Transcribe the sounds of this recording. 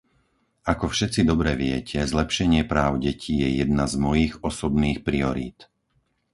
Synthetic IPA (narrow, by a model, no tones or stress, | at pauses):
akɔfʃɛt͡sid̪ɔbɾɛʋɪɛcʰɛzlɛpʃɛɲɪɛpɾaːʊɟɛcʰiːjɛjɛd̪nazmɔjiɣɔsɔbniːxpɾiɔɾḭːt̪